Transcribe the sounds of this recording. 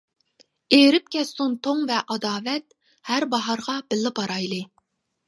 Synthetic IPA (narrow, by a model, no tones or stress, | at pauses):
eɾɪp̚kʲʰɛst̪unt̪ʰoŋvɛʔɑd̪ɑːvɛt̪̚ | hæɾbɑɦɑɾʁɑb̥ɪlːɨbɑɾɑjlˠɨ